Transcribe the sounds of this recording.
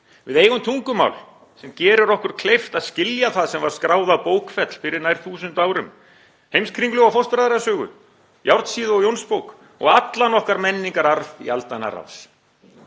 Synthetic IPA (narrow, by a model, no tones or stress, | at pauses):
vɪðeːjɣʏmt̪ʰuŋkʏma̰wl | sɛmcɛːɾʏɾɔhkʏɾ̥kʰlejft̪aðscɪljaθaðsɛmvaɾ̥skɾaːwðawpoːwkfɛt̪l̥fɪɾɪɾnajɾ̥θuːsʏnt̪aːwɾʏm | hejmskʰɾiŋklʏɣawfɔwst̪fɾajðaɾasœːɣʏ̰ | jawɾt̪siːðʏɔɣjownspowk | ɔ̰ɣat̪lanɔhkaɾmɛnːiŋkaɾaɾvḭalt̪ana̰ra̰ws